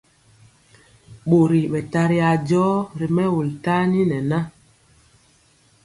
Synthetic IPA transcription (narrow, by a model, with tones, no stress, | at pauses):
ɓo˨ɾi˨ɓɛ˨ta˦ɾi˦a˨d͡ʒɔː˦ɾi˨mɛ˦wu˨lta˦ni˦nɛ˨na˦